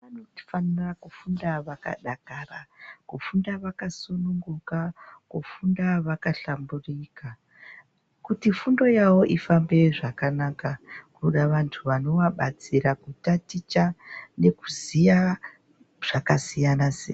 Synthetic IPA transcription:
anoti̥fanirakufundaʋaka̰ɗakarakufundaʋakasonuŋɡukakufundaʋakaɬamburika | kutifundo̞jawo̞ʔifambe̞ʐakanakakuɗaʋantʰuʋano̞ʋaɓat͡siɾakutatit͡ʃane̞kuzija | ʐ̥akasijanasḛ

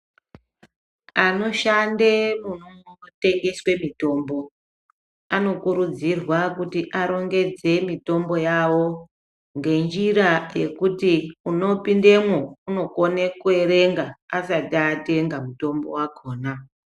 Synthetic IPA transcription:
ano̞ʃandemunoŋote̞ŋɡe̞swe̞mito̞ːmbo̞ | ano̞kuɾud͡zirwakutiʔaɾo̞ŋɡe̞d͡ze̞mito̞mbo̞jawo̞ | ŋɡe̞nd͡ʒiraje̞kutiuno̞pindemwouno̞konekueɾe̞ŋɡaːsataːte̞ŋɡamuto̞mbo̞̰wako̞ːna

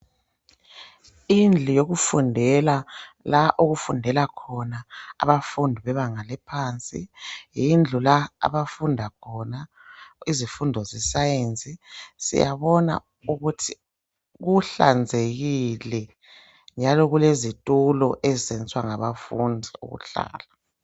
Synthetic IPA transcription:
ind͡ɮʱujoɣufundʱɛla | laʔoɣufundʱɛlakʰɔnaa̰βafundʱiβɛβaŋalɛpʰaːnt͡sʼḭjind͡ɮʱulaa̰βafundʱakʰɔna | izifundʱɔzɛsajent͡sʼisḭja̰βɔna̰ | uɣutʰi | ɣuɬa̰nd͡zʱeɣilɛ | nd͡ʒʱalɔɣulezitʼulɔʔɛzɛnt͡sʼwaŋaβafundʱiṵɣṵɬa̰ːla

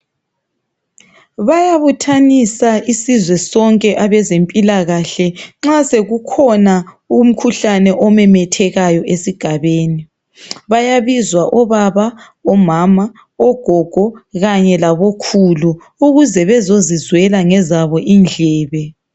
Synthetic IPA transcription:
βajaβutʰanisaʔisizwɛsɔŋkʼɛʔaβɛzempʼilaɣaɬɛŋ͡ǁaseɣukʰɔna | um̩kʰuɬanɛʔɔmɛmɛtʰɛɣajɔesiɡ̥ʱaβeːni | βajaβizwaʔɔβaβa | ɔmama | ɔɡ̥ʱɔɡ̥ʱɔɣaɲɛlaβokʰuluː | ɣuzɛβɛzozizwɛlaŋɛzaβɔʔind͡ɮʱɛːβɛ

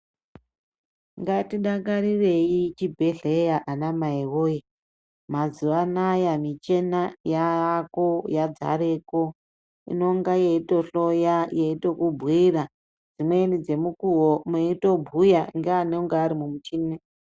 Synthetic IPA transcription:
ŋɡatiɗakaɾire̞jit͡ʃibʱeɮejaʔanamaewoje | mazuʋanajamit͡ʃe̞najakojad͡za̰ɾe̞ko | ḭno̞ŋɡajeito̞ɬo̞jajeito̞kubʱwira | d͡zimwenid͡ze̞mukuwomeito̞bʱujaŋɡeanoŋɡaːɾimumut͡ʃiːne

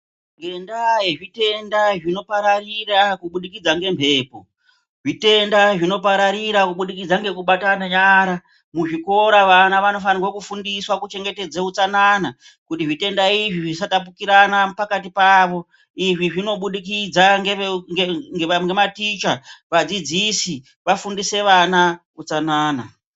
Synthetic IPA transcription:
ŋɡendajeʐite̞ndaʐino̞paɾarirakuɓuɗikid͡zaŋɡe̞mbʱe̞ːpo̞ | ʐite̞ndaʐino̞paɾaɾiɾakuɓuɗikid͡zaŋɡe̞kuɓatanaɲaːɾa | muʐiko̞ɾaʋanaʋano̞fanirwokufundiswakut͡ʃe̞ŋɡe̞te̞d͡zeut͡sanana | kutiʐite̞ndaiʐiʐisatap̬ukiɾanapakatipaːʋo̞ | iʐiʐino̞ɓuɗikid͡zaŋɡeeŋeŋɡeamɡematit͡ʃaʋad͡zid͡zisi | ʋafundise̞ʋanakut͡sanaːna

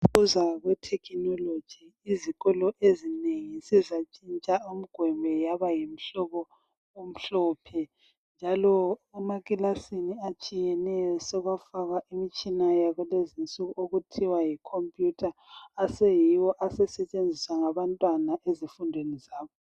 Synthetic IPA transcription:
uzaɣwɛtʰɛkʰinɔlo̥d͡ʒ̥ʱiːziɣɔlɔʔezineŋisizat͡ʃʼint͡ʃʼaum̩ɡ̥ʱwɛmbʱɛjaβajim̩ɬɔβɔ | um̩ɬɔpʰɛ | nd͡ʒʱalɔɛmaɣʼilasiniat͡ʃʼijɛnɛjɔsɔɣwafaɣaʔimit͡ʃʼinajaɣulezint͡sʼuɣuoɣutʰiwajikʰompʼjutʰaːsejiwɔʔasɛsɛt͡ʃʼend͡zʱiswaŋaβantʼwanaʔezifundʱwenizaːβɔ

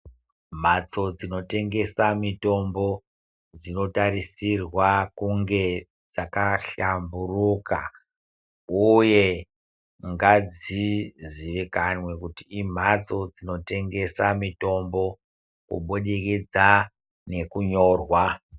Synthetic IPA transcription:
m̤at͡so̞d͡zino̞te̞ŋɡe̞samito̞mbo̞ | d͡zino̞taɾisirwakuŋɡe̞ | d͡zakaɬamburuka̰ | uje̞ | ŋɡad͡ziziʋikanwe̞kutiim̤at͡so̞d͡zino̞te̞ŋɡe̞samito̞mbo̞ | kṵɓuɗiked͡za | ne̞kuɲo̞ːrwa

